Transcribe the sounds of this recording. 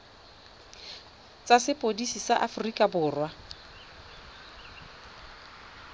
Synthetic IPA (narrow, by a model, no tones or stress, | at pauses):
t͡sʼasɪpʼodisisaʔafʊrikʼabʊːrwa